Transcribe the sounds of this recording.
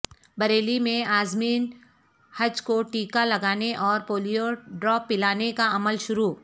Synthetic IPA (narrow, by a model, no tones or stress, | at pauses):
bɐɾeːlimẽaːzmiːn | hɐd͡ʒkoʈiːkalɐɡaːneʔɔːɾpoːlijoɖɾɔːpːɪlaːnekaɐməlʃʊɾuː